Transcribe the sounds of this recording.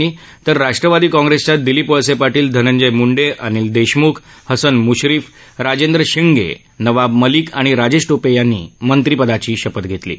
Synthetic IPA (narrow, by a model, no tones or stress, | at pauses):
iː | t̪əɾːaʂʈɾəʋad̪iːkɔ̃ŋɡɾest͡ɕad̪iliːpoɭsepaɾʈiːld̪ʱənəɲd͡ʑəjmuɳɖeʔañiːld̪eɕmukʰ | həsənmuɕɾiːf | ɾad͡ʑend̪ɾəɕiŋɡʱḛ | nəʋabməliːkaɽ̃iɾad͡ʑesʈopejanːḭːmənt̪ɾipəd̪at͡ɕiːɕəpət̪ɡʱet̪lḭː